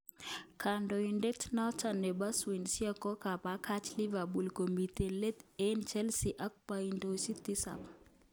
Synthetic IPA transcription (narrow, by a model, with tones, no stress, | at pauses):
kʰando˨inde˦tna˦t͡ʃa˨ne˨ba˦swi˨nsja˦kɔ˦ka˨pakʰa˦t͡ʃli˦va˨bu˨lko˨mit̪ele˦t̪ent͡ʃɛ˦lsiʔa˦k̚paindosi˦t̪i˦sa̰˨p